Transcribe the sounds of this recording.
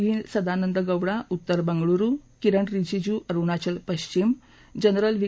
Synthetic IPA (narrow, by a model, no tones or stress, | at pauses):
ɦiːnsɐd̪anənd̪əɡəwɽaʔut̪ːəɾbəŋɡɭuɾukiɾəɳɾid͡ʑid͡ʑuʔɐɾuɳat͡ɕəlpəɕt͡ɕim | d͡ʑənɾəlʋi